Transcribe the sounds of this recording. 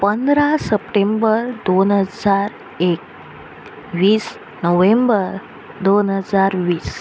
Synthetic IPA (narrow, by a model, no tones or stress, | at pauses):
pənd̪ɾasəpʈembəɾd̪onɦəd͡zaɾ | ek̚ | ʋiːs | nəʋembəɾ | d̪onɦəd͡zaɾʋiːs